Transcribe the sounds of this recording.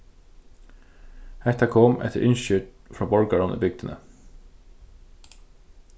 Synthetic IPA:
hɛht̪akʰoːmɛ̰t̪ə̰ʔɪnʃʏʈ | fɾɹaːbɔɹkaɹɔnɪ̰bɪk̚d̪ɪnə̰

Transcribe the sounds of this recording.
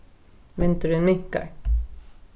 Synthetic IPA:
mɛnt̪əɾnmʏkːa̰ɾ

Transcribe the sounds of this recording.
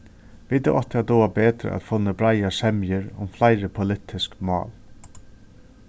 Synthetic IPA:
vit̪ɛʔɔht̪ɪat̪ɔːabeːt̪ɾɪ̰ʔa̰t̪fɔnːəbɾajasɛmjɪɾʊ̰mflajɾəpʰʊlɪt̪ʰːɪskmɑ̰ːl

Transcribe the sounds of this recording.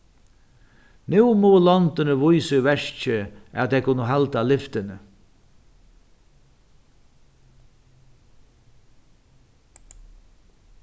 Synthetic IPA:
nuwmulɔnt̪ɪnəvʊjsʏvɛʂt͡ʃɪæ̰t̪ʰɛkʰʊnːəɦalt̪alɪft̪ɪnə

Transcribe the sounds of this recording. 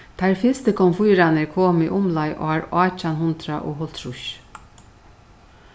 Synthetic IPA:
t̪ʰæɾfɪst̪əkʰɔmfujɾanəkʰoːmḭːʔʊmlɑɪʔo̰ːhɑːɾɑːt͡ʃanhʊnt̪ɾaʔo̰ːhɔlt̪ʰɾʊʃ

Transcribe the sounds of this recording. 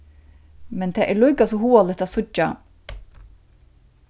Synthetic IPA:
mɛnt̪ʰɛːʔɛɾlujkas̬ɔɦuːalɪt̪asʊt͡ʃːa

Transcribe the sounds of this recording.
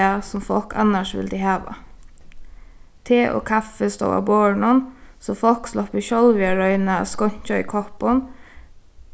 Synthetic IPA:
ɑsɔmfɔ̰kʰɑ̰nəʃʋɪ̰ld̪ɪhɑːʋɑ̰ | t̪ʰeːʔo̰ːkʰɑfəst̪o̰ːʔɑ̰boːɳʊnsɔfɔlkslɔpiʃɔlʋɪɑɹœʏnəɑ̰skɔɲ̥t͡ʃaḭkʰɔpɔn

